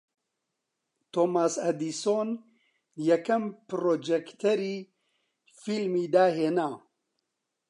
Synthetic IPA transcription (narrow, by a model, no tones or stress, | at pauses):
t̪oːmaːsɐd̪iːsoːn | jɛkɐmpɾoːd͡ʒɛkt̪ʰɐɾiː | filmiːd̪aːɦeːnaː